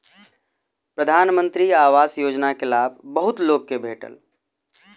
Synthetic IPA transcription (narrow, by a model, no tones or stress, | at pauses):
pɾəd̪ʱaːnmə̃nt̪ɾiaːʋaːsjoːd͡ʒnakelaːb̚ʱbəɦʊt̪loːɡ̚kːebʱeːʈə̰l